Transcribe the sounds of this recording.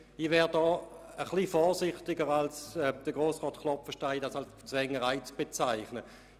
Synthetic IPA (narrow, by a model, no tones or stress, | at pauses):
ɪʋɛːʁdɔː | əχliːfɔːsɪχtɪɡəʁalsɛd̥əɡ̥ʁoːsʁɔːtkʰlɔpfəʃtaɪdasalst͡svɛŋəʁaɪt͡sb̥et͡saɪχnə